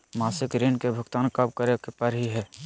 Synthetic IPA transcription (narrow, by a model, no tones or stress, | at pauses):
maːsɪkɾeːnkebʱʊɡt̪aːnkɐp̚kəɾekepəɾɦiɦɛː